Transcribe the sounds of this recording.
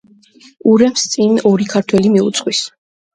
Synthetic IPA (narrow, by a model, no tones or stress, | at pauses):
uɾɛmst̪sʼinɔɾikʰaɾt̪ʰwɛlimiṵt̪sʼqχʼwis